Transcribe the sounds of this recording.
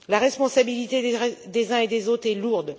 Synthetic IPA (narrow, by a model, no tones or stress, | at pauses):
laʁɛspɔ̃sabilit̪ed̪ezɛ̃ed̪ezot̪χɛluʁd̪